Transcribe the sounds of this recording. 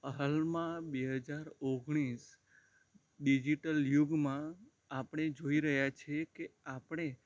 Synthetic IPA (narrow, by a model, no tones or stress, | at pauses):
əɦəlmãbeɦəd͡ʒaɾoɡɽ̃is | ɖid͡ʒiʈəljuɡmã | apɳ̃ed͡ʒoiɾəɦjat͡ʃʰekeapɳ̃e